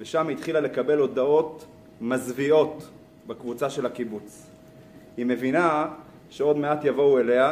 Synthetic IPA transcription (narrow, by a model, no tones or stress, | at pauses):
veʃamhit̪χilale̞kabe̞lo̞d̪ao̞t̪ | mazvio̞t̪ | bekvut͡saʃe̞lhakibut͡s | hime̞vina | ʃe̞o̞d̪me̞at̪javo̞uele̞a